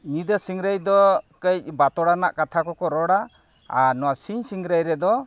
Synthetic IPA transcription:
nid̪ɔsiŋɾajd̪ɔkəjbat̪ɔɽana̰ʔkat̪ʰakɔkɔɾɔɽa | aɾnɔwasiɲsiŋɾajɾɛd̪ɔ

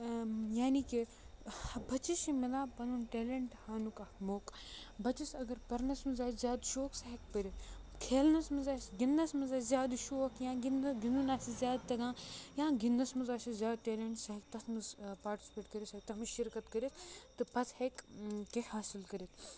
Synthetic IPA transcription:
jaːniki | bɐt͡ʃiʃimilãːpɐnunʈeːleɳʈhaːnukɐmoːkbɐt͡ʃisɐɡɐɾpɐɾnɐsmɐzaːszʲjaːd̪ʃoːksaɦɐkpɐɾʲitkʰeːlnɐsmɐzaːsɡind̪ɐsmɐzaːzʲjaːd̪ʃoːkjãːɡnɡɪnd̪unaːsizʲjaːd̪̚t̪ɐɡãːjãːɡind̪ɐsmɐzaːsizʲjaːd̪̚ʈeːleɳʈsaɦɐkt̪ɐsmɨzpaːɾʈi̥sʲi̥peːʈkɐɾʲisek̚t̪ɐmɨzʃɪɾkɐt̪kɐɾʲit̪ʰt̪ɨpɐt̪hekkehaːsilkɐɾʲit̪ʰ

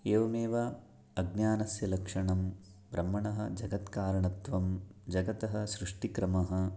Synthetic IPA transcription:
eːʋɐmeːʋɐ | ɐɡnjaːnɐsjɐlɐkʂɐɳɐm | bɾɐmːɐɳɐɦɐd͡ʒɐɡɐt̪kaːɾɐɳɐt̪ʋɐmd͡ʒɐɡɐt̪ɐɦɐ̆sɾuʂʈikɾɐmɐɦɐ̆

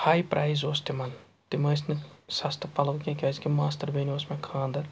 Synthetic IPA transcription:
haːjpɾʔaːjzoːst̪imɐn | t̪imɐjsnɨsɐst̪ɐpɐlɐʋkʲẽkʲɐːskimaːst̪ɐɾbeːnioːsmẽkʰãːnd̪ɐɾ

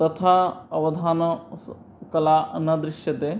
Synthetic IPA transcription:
t̪ɐt̪ʰaɐʋɐd̪ʱaːnɐ | kɐlaːɐnɐd̪ɾɪʃjɐt̪e

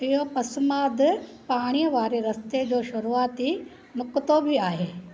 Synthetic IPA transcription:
ɪɦopɐsmaːd̪paːɽ̃ijəʋaːɾeɾɐst̪ed͡ʑoːʃʊɾuaːt̪i | mʊkt̪obʱiaːɦeː

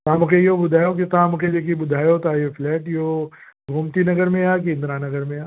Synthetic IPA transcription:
t̪aːmʊkejobʊd̪ʱaːjokit̪aːmʊked͡ʒek̬ibʊd̪ʱaːjot̪aːjofʰlɛːʈjo | ɡʱoːmt̪inɐɡəɾmẽaːk̬iɪ̃nd̪ɾanɐɡəɾmẽaː

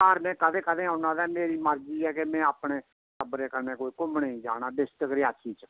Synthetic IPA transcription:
əːɾmɛ̃ːkəd̪ẽːkəd̪eːãʊnãːd̪aːmeːɾiːməɾd͡ʒiːɛːkemɛ̃ːaːpɽeː | səbɾeːkəneːkoːiːkʊmneĩːd͡ʒaːɽ̃aːɖɪsʈəkɾɪaːsiːt͡ʃ

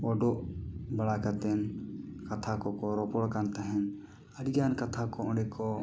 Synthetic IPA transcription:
ɔɖɔʔbaɽakat̪ɛnkat̪ʰakɔkɔɾɔpɔɽkant̪aɦɛ̃n | ədiɡankat̪ʰakɔɔ̃ɖɛkʰɔ

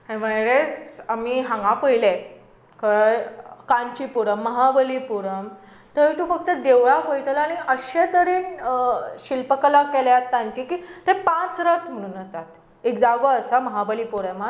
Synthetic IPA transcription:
ẽʋajɾesamiɦãŋɡãpəɦile | kə | kaɲt͡ɕipuɾəmːəɦabəlipuɾəm | t̪ət̪ũfək̚t̪əd̪eʋɭakəjt̪əlañiʔəɕet̪əɾiːn | ɕilpəklakeljat̪ːãɲt͡ɕiːkiːt̪ẽpãt͡sɾət̪m̤əɽ̃uːnəst̪at̪ | ekd͡zaɡoəsaməɦabəliːpuɾəma

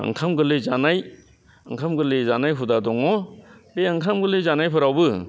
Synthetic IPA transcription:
ɐ̰ŋkʰamɡɯlɯzanaj | ɐ̰ŋkʰamɡɯlɯzanajɦudadɔŋɔbeaŋkʰamɡɯlɯjzanajpʰɯɾawbɯ

